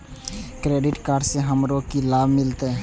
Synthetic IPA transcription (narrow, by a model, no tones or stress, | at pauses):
kɾeːɖɪʈkaːɾɖseɦəmɾokilaːbmɪlt̪eɦɛ̃ː